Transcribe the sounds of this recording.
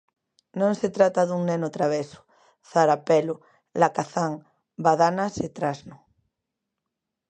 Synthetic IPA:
nõŋset̪ɾat̪aðuŋnenot̪ɾaβ̞esʊ̥ | θaɾapɛlʊ | lakaθaŋ | baðanaset̪ɾaznʊ

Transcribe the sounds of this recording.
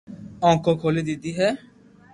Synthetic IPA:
ɔ̃ŋkokʰolid̪id̪iɦɛ

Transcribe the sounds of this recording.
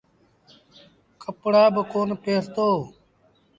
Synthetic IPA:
kəpɽaːbəkoːnpeːɾt̪oː

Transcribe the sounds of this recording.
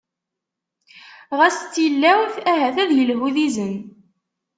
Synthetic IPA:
ʁæst͡s̪ːilːæwθæɦæθæðjəlɦuðizən

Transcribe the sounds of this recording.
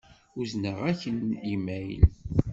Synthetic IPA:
uznəʁæçənimæj̰l

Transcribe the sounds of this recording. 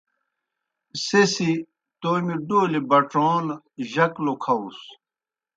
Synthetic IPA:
sesi | t̪omiɖoːlebɐʈoːn | ʑɐklokʰɐus

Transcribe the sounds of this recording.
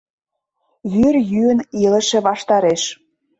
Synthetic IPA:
βyrjyə̆nilə̆ʃĕβɑʃt̪ɑɾeʃ

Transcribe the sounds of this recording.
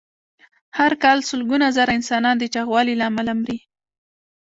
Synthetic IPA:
haɾkɑlsʊlɡunazaɾaɪnsɑnɑnd̪ət͡ʃɑɣwɑlilɑmalamɾi

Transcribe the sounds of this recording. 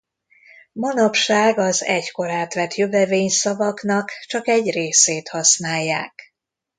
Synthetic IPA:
mɒnɒpʃaːɡɒzɛ̰cko̞ɾaːt̪ʋɛt̪jøvɛveːɲsɒvɒknɒkt͡ʃɒkɛɟreːseːt̪hɒsnaːjːaːk

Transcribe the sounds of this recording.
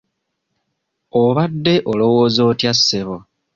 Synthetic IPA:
oβadːe̞ʔolo̞wo̞ːzo̞ːtjasːeβo

